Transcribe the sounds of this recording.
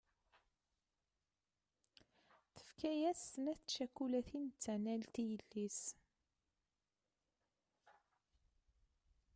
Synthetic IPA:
θə̥fkæjæsnæθʃækːulæθintt͡sːænælt̪ijəlːis

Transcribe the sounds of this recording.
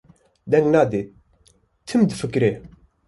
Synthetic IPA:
d̪ɛŋɡnaːd̪eːt̪̚ | t̪ʰːɨmd̪ɨfɨkɾeː

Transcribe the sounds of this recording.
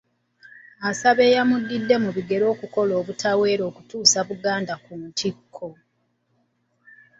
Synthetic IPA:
asaβe̞ːjamudːidːe̞muβiɡe̞ɾo̞ːkuko̞lo̞ːβutʰawe̞ːɾo̞ːkutuːsaβuɡaːndakunntikʰːo̞

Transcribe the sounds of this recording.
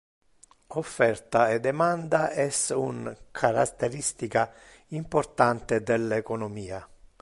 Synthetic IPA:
ofːɛrt̪aed̪emand̪aʔɛsuŋkʰaɾa̰t̪ːeɾist̪ika | impoɾt̪ant̪ed̪elːekɔnomiːa

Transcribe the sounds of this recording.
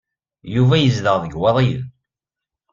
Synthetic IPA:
juvæjəzðəʁðəɡwɑðˤið

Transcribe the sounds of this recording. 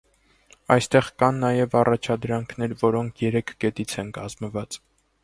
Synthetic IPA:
ɑjst̪ɛʁkɑnːɑjɛvɑrɑt͡ʃʰɑd̪ɾɑŋkʰnɛɾvɔɾɔŋkʰjɛɾɛkʰɡ̥ɛt̪it͡sʰɛnkɑzməvɑt͡s

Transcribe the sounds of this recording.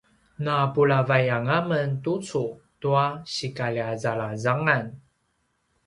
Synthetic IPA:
napuɭavajaŋaməntut͡su | tuaɕikaliazaɭazaŋan

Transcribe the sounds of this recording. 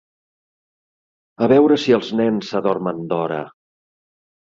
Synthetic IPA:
əβɛwɾəsiəlˠznɛnsəðɔrmənd̪ɔɾə̰

